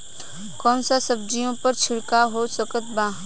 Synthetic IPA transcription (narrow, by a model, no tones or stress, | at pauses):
kɔːnsasəb̚d͡ʒijõpəɾt͡ʃʰɪɽkaɦoːsəkət̪̚bãː